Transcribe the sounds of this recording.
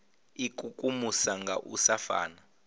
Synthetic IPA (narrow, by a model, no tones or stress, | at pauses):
ikʼukʼumusaŋɡʱa̰ʔṵsafa̰ːna